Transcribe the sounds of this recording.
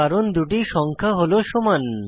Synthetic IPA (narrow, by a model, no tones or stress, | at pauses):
aɾond̪uʈiʃɔŋkʰaɦoloʃoman